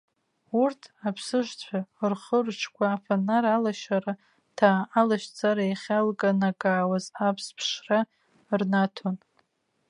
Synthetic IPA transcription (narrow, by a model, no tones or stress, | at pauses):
urtʰapʰsɨʃʷt͡sʷʰarχərʈ͡ʂʰkʷʰaːfanaɾalaʃaɾa | tʰaːlaʃt͡sʰʼaɾaeχʲalkʼanakʼaːwazapʰspʰʂra | rnatʰon